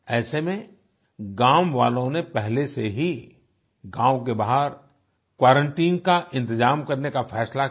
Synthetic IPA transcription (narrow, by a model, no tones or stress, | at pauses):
ɛːsemẽ | ɡãːmʋa̰ːlõnepɛɦleseɦi | ɡãːwkebaɦəɾ | kwaːɾə̃ɳʈiːŋkaʔɪ̃nt̪̬ɪzaːmkɐɾnekafʰɛːsla